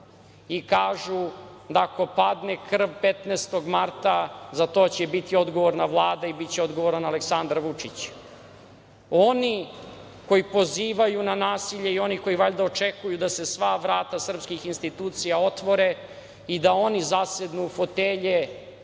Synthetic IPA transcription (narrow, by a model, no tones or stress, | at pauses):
ikaːʒud̪ako̞pad̪nekr̩ʋpet̪neːst̪o̞ɡmaɾt̪azat̪o̞ːt͡ɕebit̪io̞d̪ɡoʋoɾnaʋlˠaːd̪aibit̪t͡ɕeo̞d̪ɡo̞ʋoɾanaleksand̪ɾaʋut͡ʂit͡ɕ | o̞ni | ko̞jipo̞ziːʋajunanaːsiʎeio̞niko̞iʋaʎd̪aot͡ʃekujud̪ase̞sʋaʋɾaːt̪asr̩pskixinst̪it̪uːt̪sijao̞t̪ʋo̞ɾe | id̪ao̞nizased̪nuːfo̞t̪eːʎe